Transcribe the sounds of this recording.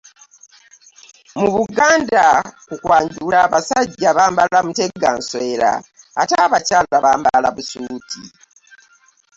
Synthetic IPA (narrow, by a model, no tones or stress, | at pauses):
muβuɡaːndakukwaːɲɟulaːβasaɟːaβaːmbalamute̞ɡansweːɾa̰ː | taːβacaːlβaβaːmbalaβusuːtʰḭ